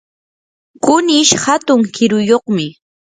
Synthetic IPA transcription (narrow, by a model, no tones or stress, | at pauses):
kʊnɪʃhat̪ʊŋkɪɾʊjoχmɪ